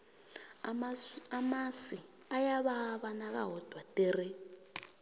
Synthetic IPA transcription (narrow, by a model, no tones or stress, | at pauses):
amasi | ajaβaβanak̬a̰ɦɔd̥ʱwatɛrɛ